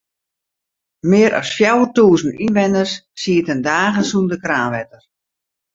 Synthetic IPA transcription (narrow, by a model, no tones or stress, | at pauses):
mɪːəɾɔ̰sfjawərtuːzn̩inʋɛnəsːiːətəndaːɣəsundəkraːnʋɛtər